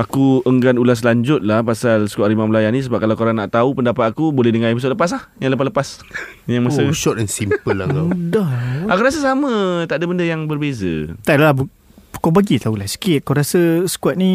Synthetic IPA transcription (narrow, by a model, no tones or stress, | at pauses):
akuəŋɡanulas̬laɲd͡ʒʊt̪̚lahpasalsə̥kuatʔɾimãməlajanis̬əbap̚kalawkoɾaŋnaʔt̪aupəndapat̪akubolɛhdəŋaimus̬ʊtləpas̬lahjaŋləp̬asləpas | jaŋmasəʃɔt̪̚ɛnsimpəlːakadaakuɾas̬əsamə̃t̪aʔdabəndəjaŋbərbezə̰t̪alabu | kobaɡit̪aulahsi̥kɪt̪̚koɾasəsə̥kwat̪̚nĩ